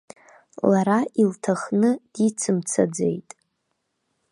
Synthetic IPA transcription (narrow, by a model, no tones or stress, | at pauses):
laɾailtʰaχnɨd̥it͡sʰɨmt͡sʰa̰d͡zḛjtʼ